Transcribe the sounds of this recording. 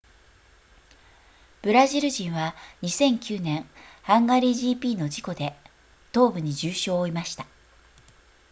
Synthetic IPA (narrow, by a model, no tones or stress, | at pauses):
b̥ɯ̟ɾaʑiɾɯ̟ʑĩɰ̃βaɲ̟isẽ̞ŋkʲɨːnẽ̞ŋhãŋɡaɾʲiʑiːpʲiːno̞d͡ʑiko̞d̪e̞ | t̪o̞ːbɯ̟ɲ̟id͡ʑɨːɕo̞ːimaɕi̥t̪a